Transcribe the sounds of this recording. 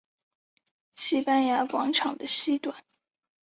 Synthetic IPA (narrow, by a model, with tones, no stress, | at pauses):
ɕi˥pa˥nja˧˥kwɑ˧˥ŋʈ͡ʂʰɑ˨˩ŋd̪ə˦ɕi˥t̪wa˨˩˦n